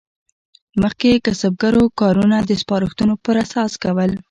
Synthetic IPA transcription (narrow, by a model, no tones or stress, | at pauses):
məxkekəsab̚ɡaɾokɑɾunad̪əspɑɾəxt̪unopəɾasɑskawəl